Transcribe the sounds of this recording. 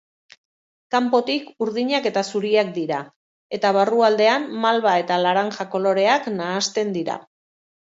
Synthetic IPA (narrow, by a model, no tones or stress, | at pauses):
kampo̞t̪ikuɾðiɲake̞t̪asuɾiak̚d̪iɾa | e̞t̪aβ̞aruald̪e̞amːalβae̞t̪alaɾaŋʝako̞lo̞ɾe̞aknaːst̪e̞nd̪iɾa̰